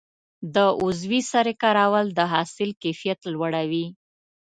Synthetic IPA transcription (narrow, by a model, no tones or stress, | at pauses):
d̪əʔʊzwisaɾɪkaɾɑwəld̪əɦɑsɪlkefijat̪lwaɽawi